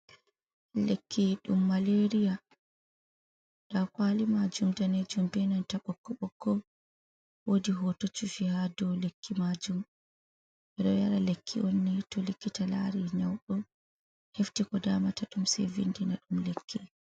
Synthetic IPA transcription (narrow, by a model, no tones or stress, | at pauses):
lekʰːiɗumːaleɾija | ɗ̥akwalimad͡ʒumdaned͡ʒumbɛnantaɓɔkːɔɓɔkːɔ | wodiɦotot͡ʃufihadɔlekʰːimad͡ʒum | ɛɗɔ̰jaɾalekʰːḭʔɔnːɛtɔlekːitala̰ɾiɲawɗɔ | heftikɔdaːmataɗumsɛ̰vḭndinaɗumlekʰːi